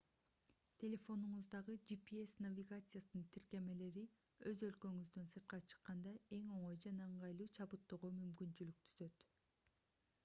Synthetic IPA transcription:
t̪ʲʰe̞lʲe̞fo̞nuɴuzd̪ɑʁɯd͡ʒipiesnavʲiɡat̪sɨjasɯnɯnt̪ʰiɾke̞me̞le̞ɾi | ø̞zø̞lkø̞ŋyzd̪ønsɯɾt̪̚qɑt͡ʃʰɯ̥qːɑnd̪ɑe̞ŋo̞ɴo̞jd͡ʒɑnɑɯɴʁɑjlˠuːt͡ʃʰɑbɯt̪ːoʁomymkynt͡ʃylyk̚t̪ʰyzø̞t̪

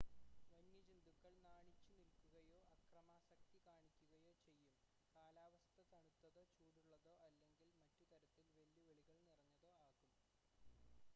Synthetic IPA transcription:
ʋɐɲːid͡ʑind̪ukːɐɭnaːɳit͡ɕːunilkuɣɐjo̞ːʔɐkrɐmaːsɐk̚t̪ikaːɳikʲːuɣɐjo̞ːt͡ɕe̞jːum | kaːlaːʋɐst̪ʰɐt̪ɐɳut̪ːɐðoːt͡ɕuːɽuɭːɐðo̞ːʔɐlːe̞ŋɡilmɐtːut̪ɐɾɐt̪ːilʋeljuʋeɭiɣɐɭnirɐɲːɐðo̞ːaːɣum

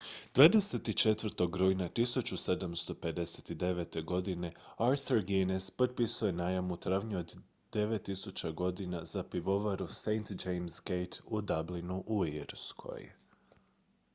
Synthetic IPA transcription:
d̪̥ʋaːd̪e̞se̞t̪it͡ʃe̞t̪ʋəɾt̪o̞ɡɾojnat̪isut͡ʃuse̞d̪amst̪o̞pe̞d̪e̞set̪id̪e̞ʋe̞t̪e̞ɡo̞d̪ine̞aɾθuɾɡinespo̞d̪̚pisuje̞najamut̪ɾaʋɲuod̪ | d̪e̞ʋe̞t̪ːisut͡ɕaɡo̞d̪inazapiʋo̞ʋaɾusejnt̪d͡ʒejmzɡejt̪ʰud̪ablinuʔuiɾskʰo̞̰j

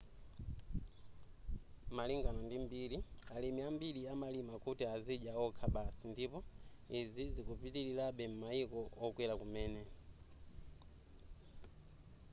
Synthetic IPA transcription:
maliŋɡanɔndimbiːɾialimiambiliamalimakutiaziʄaɔkʰaɓasindipɔizizikupitiɾilaɓɛm̩maikɔɔkwɛlakumɛːnɛ

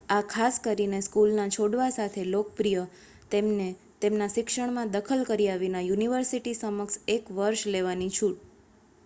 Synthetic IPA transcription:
akʰaskəɾineskulnat͡ʃʰoɽʋasat̪ʰelokpɾijə | t̪ne | t̪emnaʃɪkʃəɳ̃mãd̪əkʰəlkəɾiaʋinajuniʋəɾsiʈisəməksekʋəɾʃleʋanit͡ʃʰuʈ

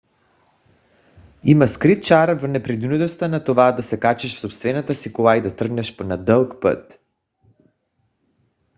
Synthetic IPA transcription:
imaskɾit̪̚t͡ʃaɾvnɛpɾɛd̪unut̪ɔst̪anat̪ɔvad̪asɛkat͡ʃɛʃfsɔpst̪vɛnat̪asikɔlaid̪at̪r̩ɡnɛʃpnad̪əlˠkpə̰t̪

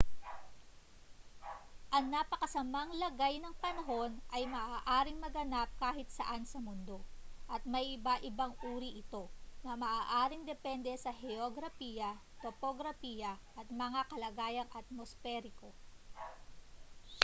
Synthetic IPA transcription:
ʔɐŋnaːpɐkɐsɐmaŋlɐɡajnɐŋpɐnɐɦo̞nʔɐjmɐʔaːʔaːɾɪŋmɐɡɐnap̚kaːɦɪt̪sɐ̰ʔansɐmʊnd̪o̞ʔɐt̪̚mɐjʔɪbaʔɪbaŋʔuːɾiʔɪt̪o̞nɐmɐʔaːʔaːɾɪŋd̪ɛpɛnd̪ɛsɐhɛoɡɾɐfijɐt̪opoɡɾɐfijɐʔɐt̪̚mɐŋakɐlɐɡaːjɐŋʔɐt̪̚mosfɛɾɪko̞

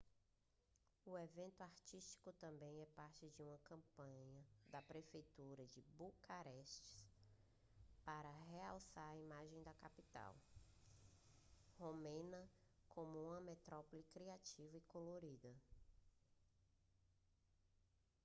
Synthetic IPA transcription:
ʊevẽnt̪ʊaɾt͡ʃiʃt͡ʃi̥kʊt̪ɐ̃mbẽj̃ɛpaɾt͡ʃɪd͡ʒɪũmɐkɐ̃pɐ̃ɲɐd̪ɐpɾefejt̪uɾɐd͡ʒɪbukaɾɛʃt͡ʃɪ̥s | paɾɐɦeawsaɾɐimaʒẽj̃d̪ɐkapit̪a̰w | homẽnɐkʰõmʊũmɐmet̪ɾɔpɔlɪkɾiat͡ʃivɐikoloɾid̪ɐ

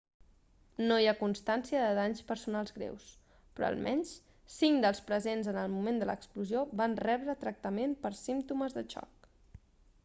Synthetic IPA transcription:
nojakunst̪ansiəðəðaɲspəɾsunalˠzɣɾḛws | pɾɔ̰ə̰lˠmʔɛɲs | siŋd̪əlˠspɾəzenzənəlˠmumend̪ələ̰kspluzioβanrɛβɾət̪ɾək̚t̪əmempəɾsimt̪uməzðət͡ʃɔ̰k̚

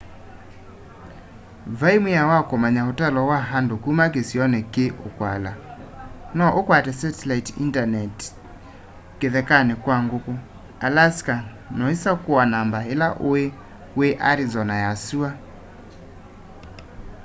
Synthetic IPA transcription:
vaimujawakomaɲaotɛlɔwaɦandokumakesiɔnɛkeʔokwala̰ | nɔʔokwatɛsatɛlaitḭntanɛt | keðɛkanekwaŋɡoko | alaska | nɔisakoanambaelaʔoe | weʔaɾizɔnajasua

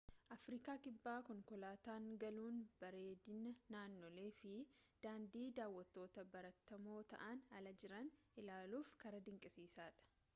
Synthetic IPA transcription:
ʔɐfɾiːkaːkʼɪbːaːkɔŋkɔlaːt̪aːŋɡɐluːnbɐɾe̞ːd̪ɪnɐnaːnːɔle̞ːfɪd̪̥aːnd̪iːd̪aːwːɐt̪ːo̞ːt̪ɐbɐɾɐt̪ːɐmo̞ːt̪ɐ̰ʔɐnɐlɐd͡ʒɪɾɐn | ɪlaːluːfkɐɾɐd̪ɪŋkʼɪsiːsaːᶑɐ̥

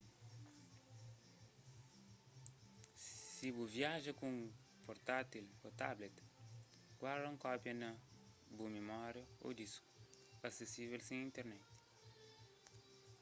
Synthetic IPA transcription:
sibuviaʒɐkũŋ | poɾt̪at̪ilot̪ablet̪ | ɡ̥waɾd̪ɐ̃ŋkɔpjɐnɐ | bumemɔɾjɐo̰d̪iskuɐsesivelsẽĩnt̪eɾnɛt̪

